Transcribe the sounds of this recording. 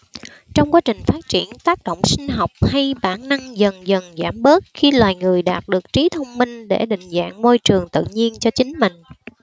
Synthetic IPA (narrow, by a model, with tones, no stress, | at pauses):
t͡ɕɔ˧wŋ͡mkwaː˨˦t͡ɕï˨˩ŋ̟faː˦˥t̚t͡ɕi˧˩ənt̪aː˦˥k̚ɗo̰˧˨wŋ͡msï˧ŋɦa˨˩wk͡p̚ha˧jɓaː˧˩nːa˧ŋzə˨˩nzə˨˩nzaː˧˩mɓəː˦˥t̚xi˧lwaː˨˩jŋɨ˨˩əjɗaː˨˩t̚ɗɨ˨˩ək̚t͡ɕi˨˦t̪ʰə˧wŋ͡mmï˧ŋ̟ɗe˧˩ɗï˧˨ŋ̟za̰ː˧˨ŋmo˧jt͡ɕɨ˨˩əŋt̪ɨ̰˧˨ɲi˧ənt͡ɕɔ˧t͡ɕï˨˦ŋ̟mï˨˩ŋ̟